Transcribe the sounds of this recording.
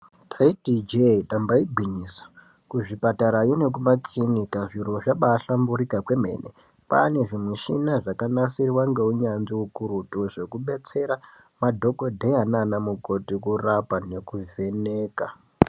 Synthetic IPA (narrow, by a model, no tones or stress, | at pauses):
tʰaitid͡ʒetambaibʱiɲiːswḁ | kuʐipataɾajone̞k̬umaklinikaʐiɾo̞ʐaɓaːɬambuɾikakwe̞me̞̰ːnʔḛ | pa̰ne̞ʐimuʃinaʐakanasirwaŋɡe̞uɲanziukuɾutuʐe̞kuɓe̞t͡se̞ɾa | madʱo̞kodʱejananamuko̞tikurapane̞kuvʱe̞neːka